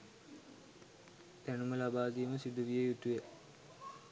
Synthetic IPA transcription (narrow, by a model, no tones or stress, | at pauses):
t̪ænuməlabaːd̪iːməsid̪uʋijejut̪uje